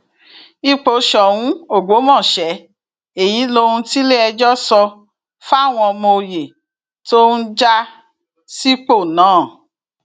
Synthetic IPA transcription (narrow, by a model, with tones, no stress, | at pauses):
i˧k͡po˨˧ʃɔ˨wũ˨˦o˦˨ɡ͡bo˨˦mɔ̃˦˨ʃɛ˨˦ | e˨ji˨˦lo˦˧ɾũ˧ti˦le˦ɛ˧d͡ʒɔ˦sɔ˧ | fa˦˨w̃ɔ̃˧ɔ˧mo˧je˨ | to˦n̩˦d͡ʒa˦ | si˦k͡po˦˨nãː˨˦˨